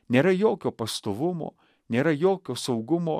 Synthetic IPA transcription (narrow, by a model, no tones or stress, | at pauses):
nʲeːɾɐjoːkʲoːpɐst̪oːʋʊmo̰ː | nʲeːɾɐjoːkʲoːsɐʊɡʊmoː